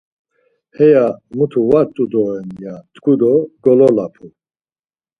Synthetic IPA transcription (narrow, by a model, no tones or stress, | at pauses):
hɛjamut̪ʰuvaɾt̪ʼud̪ɔɛnjat̪ʰkʰud̪ɔɡɔlɔlapʰu